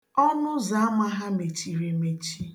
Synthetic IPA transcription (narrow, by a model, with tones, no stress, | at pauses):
ɔ˦nʊ˦za˨˦a˦ma˦ɦa˦me˨t͡ʃi˨ɾe˨me˨t͡ʃi˦